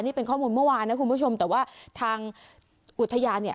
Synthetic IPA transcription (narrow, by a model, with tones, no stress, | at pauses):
nːiː˥˩pe˧nkʰɔː˥˩muː˧nmɯ˥˩waː˧nːa˦˥ku˧nbuː˥˩o˧mt̪ɛː˨˩waː˥˩t̪ʰaː˧ŋ | ʔu˨˩t̪ʰːa˧jaː˧nːi˥˩